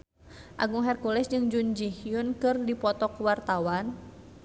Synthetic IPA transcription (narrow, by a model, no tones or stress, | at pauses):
ʔa̰ɡuŋɦɛrkulɛsd͡ʒɨŋd͡ʒund͡ʒihjʊnkɨrdipɔt̪ɔkuwart̪awan